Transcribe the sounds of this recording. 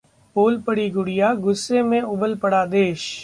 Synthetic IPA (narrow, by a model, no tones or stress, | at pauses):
poːlpəɽiːɡʊɽɪjaːɡʊsːemẽʊbəlpəɽaːd̪eːʃ